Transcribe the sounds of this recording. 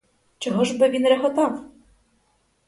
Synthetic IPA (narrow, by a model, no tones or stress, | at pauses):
t͡ʃɔɦɔʒbɘʋʲinɾɛɦɔt̪ɑw